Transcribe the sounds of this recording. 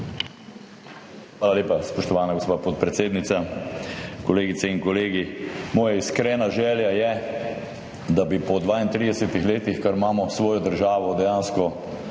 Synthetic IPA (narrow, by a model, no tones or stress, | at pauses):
xʋaːlaleːpaspɔʃt̪ɔʋaːnaɡospaːpɔt̪̚pɾɛt̪seːd̪nit̪sa | kɔleːɡit̪sɛiŋkɔleːɡimɔːjaiskɾɛːnaʒɛːljajɛ | d̪abipɔd̪ʋaːint̪ɾiːd̪ɛsɛt̪ixleːt̪ixkaɾmaːmɔsʋɔːjɔd̪əɾʒaːʋɔd̪ɛjaːnskɔ